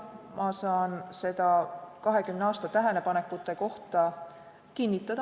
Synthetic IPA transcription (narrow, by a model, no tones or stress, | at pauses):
mʔɑsɑːnse̞d̪̥ɑkɑɦe̞kymneɑːst̪ɑt̪æɦenepɑne̞kːˑut̪ːˑe̞ko̞ht̪ɑ | kinʲːit̪ːˑɑd̪̥ɑ